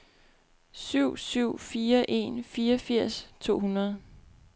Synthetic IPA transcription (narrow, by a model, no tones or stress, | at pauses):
syʊ̰syʊ̰fiːɐʔe̝nfiːɐfiɐ̰st͡sʰo̝̰ːhunɐð̞̩ˠ